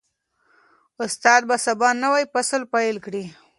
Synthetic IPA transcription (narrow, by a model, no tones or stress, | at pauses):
ʊst̪ɑd̪̚basabɑnəwajpasəlpajlkɽi